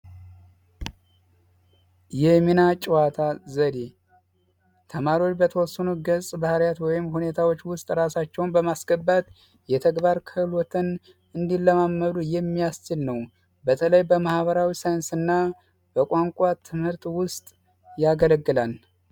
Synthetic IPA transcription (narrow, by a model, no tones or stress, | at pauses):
jɛminat͡ʃʼwat̪ʰazəd̪e | t̪ʰəmaɾiwo̞t͡ʃːbət̪ʰəwɔsːənuɡəsʼbahəɾjat̪wɔjɪmhune̞t̪ʰawot͡ʃːwʊst̪ʼɾasat͡ʃːɛwnbəmasɡəbːat̪ | jɛt̪ʰəɡbaɾkʰəhlwɔt̪ʰən | ɨnd̪ilːəmamːəlujɛmːijast͡ʃɪlnəw | bət̪ʰələjbəmahβəɾawisajɪnsɨnːa | b̥əkʼaŋkʷʼat̪ʰɨmhɨɾt̪wʊst̪ʼ | jaɡələɡːɨlal